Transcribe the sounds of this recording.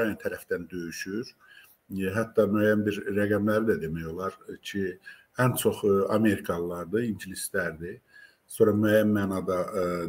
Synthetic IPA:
ɑnɑnt̪ʰæɾæfd̪ænd̪ø̞jyʃyɾ | ɦæt̪ːɑmøjænbiɾːæɡæmlæɾid̪æd̪e̞mæjo̞lˠɑɾcʰi | ænt͡ʃʰo̞χɑme̞ɾikʰɑlˠlːˠɑɾd̪ɯiɲɟilislæɾd̪i | so̞ɾɑmæjæmːæːnɑd̪ɑ

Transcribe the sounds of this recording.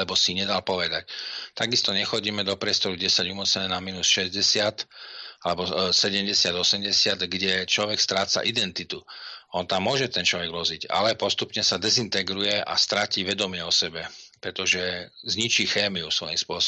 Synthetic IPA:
lɛbɔsiɲɛd̪alpɔʋɛd̪act̪aɡist̪ɔɲɛxɔɟiːmɛd̪ɔpɾɪɛst̪ɔɾuɟɛsaɟumɔt͡sɛɲɛnamiːnusʃɛzɟɛsɪat̪alɛbɔsɛɟɛmɟɛsɪad̪ɔsɛmɟɛsɪad̪ɡɟɛt͡ʃlɔʋɛkst̪ɾaːt͡sa̰ʔid̪ɛnt̪it̪uɔnt̪amːʊɔʒɛt̪ɛnt͡ʃlɔʋɛɡʋɔziɟa̰lɛpɔst̪upɲɛsad̪ɛzint̪ɛɡɾujɛʔa̰st̪ɾaciːʋɛd̪ɔmɪɛɔsɛbɛpɾɛt̪ɔʒɛzɲit͡ʃiːxɛːmiusʋɔjimspʊɔs

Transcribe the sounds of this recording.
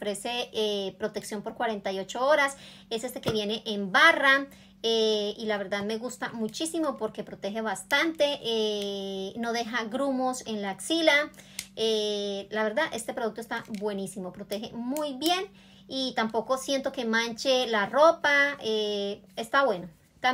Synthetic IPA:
ofɾeseepɾot̪eksjo̞mpo̞ɾkwaɾent̪ajo̞t͡ʃooɾas | esest̪ekeβje̞neʔembara | eilaβe̞ɾðaðme̞ɣust̪amut͡ʃisimopoɾkepɾot̪exeβast̪ant̪eʔe | noðexaɡɾumose̞nlaːksilaelaβe̞ɾðaðʔe̞st̪epɾoðuk̚t̪oest̪abwe̞nisimopɾot̪exḛmujβje̞n | it̪ampo̞ko̞sje̞nt̪o̞ke̞mant͡ʃelaropae | est̪aβwe̞no | a

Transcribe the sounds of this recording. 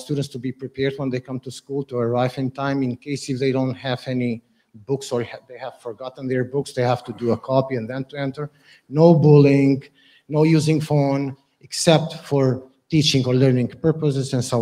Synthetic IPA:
st̪udə̃ntstubipɹipʰɛɹd̪̚wɛ̃nðeɪkʌ̃mtuskulˠtuəɹaɪvɪ̃ntʰãɪ̃mɪ̃nkeɪsɪfðeɪdõʊ̃nthævɛni | bʊksɔ˞ðeɪhæv̥fɔɹɡɑtn̩ðəɹbʊksðeɪhæv̥tuduəkʰɔpiɛ̃nðɛ̃ntuɛ̃ntə˞ | noʊbʊlɪ̃ŋ | noʊjuzɪ̃ŋfõn | ɛksɛp̚tfɔɹ | tit͡ʃɪ̃ŋɔɹlɜ˞nɪ̃ŋpɜ˞pəsɪzɛ̃nso

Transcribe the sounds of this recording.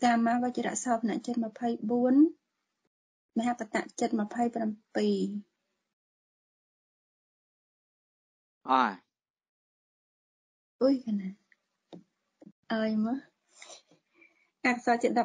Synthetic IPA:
t̪aːmaːʋat͡ɕəɾa̰ʔsɑːpʰna̰ʔt͡ɕət̪̚məpʰəjɓuən | məɦaːpat̪a̰ʔt͡ɕɨt̪̚məpʰəjprampiː | ʔa | ʔuəjkʰanaː | ʔaəjmɨ | ʔakasaːt͡ɕət̪̚ɗɑp̚

